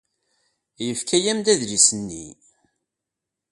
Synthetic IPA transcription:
jəfkʰæjæmd̪æðlisənːḭ

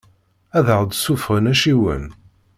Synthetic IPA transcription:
æðəʁd̪sufʁənæʃiwə̰n

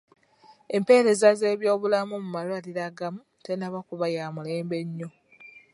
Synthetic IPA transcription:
e̞mpe̞ːɾe̞zaze̞ːβjo̞ːβulamumumalwaliɾaɡamu | te̞naβakuβajaːmule̞ːmbe̞ɲːo

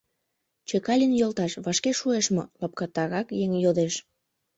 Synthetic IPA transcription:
t͡ɕekɑlʲinjolt̪ɑʃβɑʃkeʃueʃmo̰lɑp̚kɑt̪ːɑɾɑkjeŋjod̪eʃ

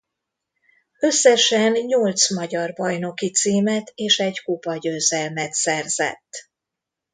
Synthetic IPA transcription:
ø̞sːɛʃɛnɲolt̪smɒɟɒrbɒjno̞kit̪siːmɛt̪eːʃɛɟkupɒɟøːzɛlmɛt̪sɛrzɛ̰t̪ː

